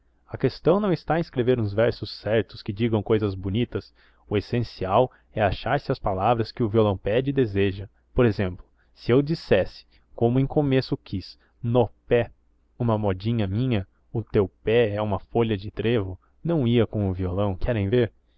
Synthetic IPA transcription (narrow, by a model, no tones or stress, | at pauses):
ɐkest̪ɐ̃w̃nɐ̃w̃ɪst̪aɐĩskɾeveɾũzvɛɾsʊsːɛɾt̪ʊskɪd͡ʒiɡɐ̃w̃kojzɐzbonit̪ɐs | ʊesẽsiaw | ɛaʃaɾsɪɐspalavɾɐskɪʊviolɐ̃w̃pɛd͡ʒɪd̪ezeʒɐ | poɾezẽmplʊ | sɪewd͡ʒisɛsɪ̥ | kõmʊẽj̃komesʊkʰis | nopɛ | ũmɐmɔd͡ʒĩɲɐmĩɲɐ | ʊt̪ewpɛɛũmɐfoʎɐd͡ʒɪt̪ɾevʊ | nɐ̃w̃iɐkõw̃ʊviolɐ̃w̃kʰɛɾẽj̃veɾ